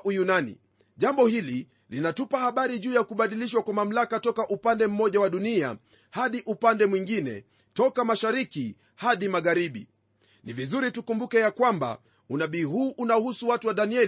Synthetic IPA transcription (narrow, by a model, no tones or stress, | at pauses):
ujunanḭ | ʄambɔhili | linatupahaɓaɾiʄuːjakuɓaɗiliʃ̬wakwamam̩lakatɔkaʔupandɛm̩mɔʄawaɗunia̰ | haɗiʔupandɛmwiŋɡinɛ̰ | tɔkamaʃaɾiki | haɗimaɣaɾiɓḭ | nivizuɾitukumbukɛjakwamba̰ | unaɓiːɦuːʔunaɔhusuwatuwaɗaniɛl